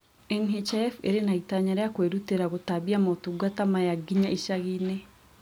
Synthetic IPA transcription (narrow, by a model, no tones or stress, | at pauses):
eŋɦit͡ʃafeɾenaitaɲaɾejakweɾuteɾaɣotaβiamotuɡatamajaɡiɲaʔiʃaɣine